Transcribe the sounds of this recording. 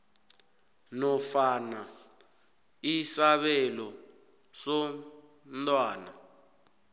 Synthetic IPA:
nɔfana | isaβɛlɔ | sɔ | nt̪ʼwaːna

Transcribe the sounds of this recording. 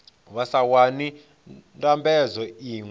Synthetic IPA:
βasawani | ntambɛd͡zɔiːŋw

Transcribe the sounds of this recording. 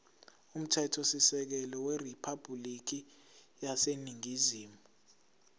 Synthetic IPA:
um̩tʰɛtʰosisɛk̬ɛlɔweripʰab̥ʱulik̬i | jaseniŋiziːmuu

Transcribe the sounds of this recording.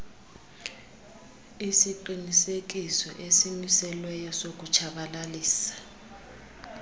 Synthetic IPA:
isiǃinisek̬isɔʔesimisɛlwɛjɔsok̬ut͡ʃʰaɓalaliːsḁ

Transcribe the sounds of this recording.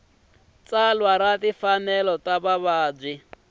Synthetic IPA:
t͡salwaɾatifanɛlɔtaβaβaːb͡ʐwi

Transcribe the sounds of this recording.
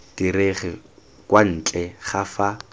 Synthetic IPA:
d̥ireχɪ | kwan̩ːt͡ɬʼɛχafa

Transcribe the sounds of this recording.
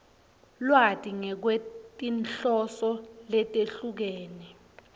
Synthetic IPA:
lwatʼiŋɛk̬wetʼinɬɔsɔlɛtʼeɬuk̬eːni

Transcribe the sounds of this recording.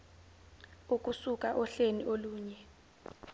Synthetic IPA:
uk̬ʼusuk̬ʼaʔɔɬeniʔoluːɲɛ

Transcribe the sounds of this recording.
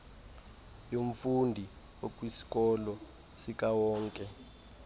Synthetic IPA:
joɱ̩fundʱi | wokʼwisi̥kɔlɔ | sik̬ʼawɔːŋkʼɛ

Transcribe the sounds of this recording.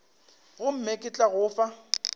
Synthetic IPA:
ɣʊm̩mekʼɪt͡ɬʼaɣʊːfa

